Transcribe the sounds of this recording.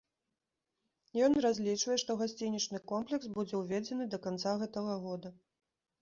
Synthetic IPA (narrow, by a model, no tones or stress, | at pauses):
jɔnrazʲlʲit͡ʂvɐjɛʂt̪ɔɣasʲt͡sʲinʲit͡ʂnɨkɔmplʲɛksbud͡zʲɛwvʲɛd͡zʲɛnɨd̪ɐkant̪saɣɛt̪ɐɣɐɣɔd̪ɐ